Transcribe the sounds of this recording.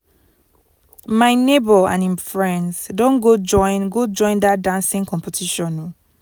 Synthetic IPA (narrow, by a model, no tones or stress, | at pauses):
maɪnebɔã̰nĩnfɹɛɛ̃nsdɔ̃nɡoɔnɡod͡ʒɔ̃ɪ̃ndadãnsĩŋkʰɔ̃mpetʰiʃɔ̃nũ